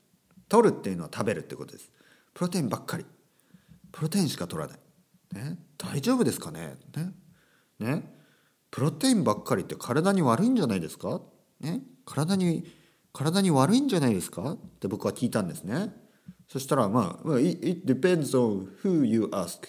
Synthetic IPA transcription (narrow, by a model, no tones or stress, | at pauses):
t̪oɾɯ̟t̪ːe̞iɯ̟no̞at̪ʰabe̞ɾɯ̟t̪ːekot̪od̪esɨ̥ | pɯ̟ɾo̞t̪eĩmbakʰːaɾʲi | pɯ̟ɾo̞t̪ẽ̞ɕi̥kat̪o̞ɾa̰na̰i | ned̪̥aiʑo̞ːbɯ̟d̪e̞sɨ̥kane̞̰ne | ne̞ | pɯ̟ɾo̞t̪e̞ĩmbakːaɾʲit̪ːe̞kʰaɾad̪aɲ̟iβaɾɯ̟ĩɲ̟d͡ʑanaid̪e̞sɨ̥ka | ne̞kʰaɾad̪aɲ̟i | kʰaɾad̪aɲ̟iβaɾɯ̟ĩɲ̟d͡ʑanaid̪e̞sɨ̥kat̪t̪ːe̞bo̞kɯ̟βakʲiːt̪ãnd̪e̞sɨne̞ | so̞ɕi̥t̪aɾama̰ːmaiit̪̚d̪ipẽ̞nd̪zõñhɯ̟ːjɨʔask